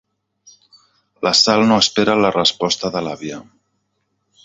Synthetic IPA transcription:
ləsalˠnoəspeɾələrəspɔst̪əðəlaβjə

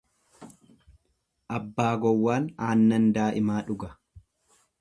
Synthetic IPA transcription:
ʔɐbːaːɡɔwːaːnaːnːɐnd̪aːʔɪmaːᶑʊɡɐ

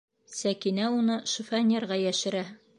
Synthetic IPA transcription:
sækinæunɤʃŭfanʲerʁɑjæʃɘ̆ɾæ

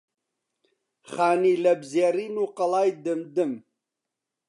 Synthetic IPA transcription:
χaːniːlɐbzeːriːnuːqɐlaːjd̪ɨmd̪ɨm

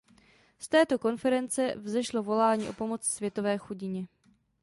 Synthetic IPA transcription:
st̪ɛːt̪o̞ko̞nfɛɾɛnt͡sɛvzɛʃlo̞vo̞laːɲiːʔo̞̰po̞mo̞t͡ssvjɛt̪o̞vɛːxuɟɪɲɛ

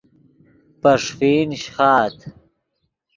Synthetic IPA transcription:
pɐʂfiːnɕχɑːt̪ʰ

